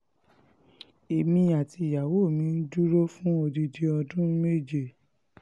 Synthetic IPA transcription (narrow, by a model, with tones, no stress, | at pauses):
e˨mĩ˧a˨ti˧˨ja˨wo˦˨mĩ˧˦n̩˦d͡ʒu˦ɾo˦fũ˦o˧di˧di˧ɔ˧dũ˦me˦˨d͡ʒe˦˨